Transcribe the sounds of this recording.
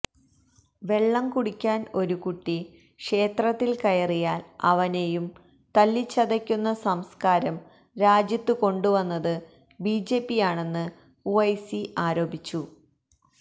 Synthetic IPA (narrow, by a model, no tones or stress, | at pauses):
ʋe̞ɭːɐmkuɽikʲːaːno̞ɾukuʈːi | kʂe̞ːt̪rɐt̪ːilkɐjɐrijaːlɐ̰ʋɐnejum | t̪ɐlːit͡ɕːɐðɐkʲːunːɐsɐmskaːɾɐm | ɾaːd͡ʑjɐt̪ːɨko̞ɳɖuʋɐnːɐðɨ | biːd͡ʑeːpːijaːɳe̞nːɨ | uɐjsiʔaːɾo̞ːbʱit͡ɕːu